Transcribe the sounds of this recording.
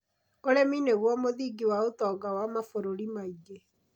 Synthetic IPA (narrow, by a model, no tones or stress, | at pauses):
olemineɣwɔmoðiːɡiwaotɔːɡawamafoɾoɾimaiɡe